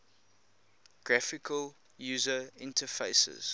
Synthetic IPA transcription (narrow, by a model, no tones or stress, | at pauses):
ɡ̥ɹafɪkʰəl | juːzəɪ̃ntʰəfeɪsə̰z̥